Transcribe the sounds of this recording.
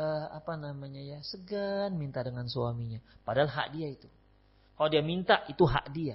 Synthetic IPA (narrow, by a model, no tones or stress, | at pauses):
əa̰panamaɲajasəɡanmint̪adəŋansuamiɲapadaɦalɦa̰ʔdiait̪u | kaladiamint̪aʔit̪uɦa̰ʔdia